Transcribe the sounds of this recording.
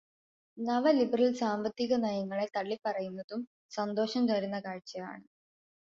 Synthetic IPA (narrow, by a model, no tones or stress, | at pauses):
nɐʋɐlibɐrɐlsaːmbɐt̪ːiɣɐnɐjɐŋːɐɭet̪ɐɭːipːɐrɐjunːɐðum | sɐnd̪o̞ːʂɐmt̪ɐɾunːɐkaːɻt͡ɕːɐja̰ːɳɨ